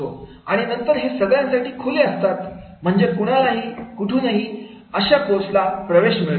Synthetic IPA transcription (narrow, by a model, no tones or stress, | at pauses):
o | aɽ̃inənt̪əɾɦesəɡjãnsaʈiːkʰoleəst̪at̪ | m̤əɳd͡zekuɽ̃alaɦiːkuʈʰũːnəɦiː | əɕakoslapɾəʋeɕmiɭ